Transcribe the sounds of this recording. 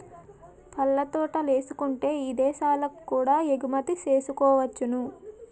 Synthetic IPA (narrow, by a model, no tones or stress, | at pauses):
pʰɐlːɐt̪ɔːʈɐle̞ːsukuɳʈe̞ːiːd̪ɛːʃaːlɐkkːuːɽaːeɡumɐt̪it͡ʃe̞ːsukɔːʋɐt͡ʃːunu